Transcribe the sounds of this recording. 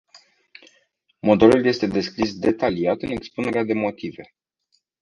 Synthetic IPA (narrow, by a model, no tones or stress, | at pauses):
mo̞d̪o̞lulje̞st̪e̞d̪e̞skɾis̬d̪e̞t̪aliat̪ɨne̞kspune̞ɾead̪e̞mo̞t̪ive̞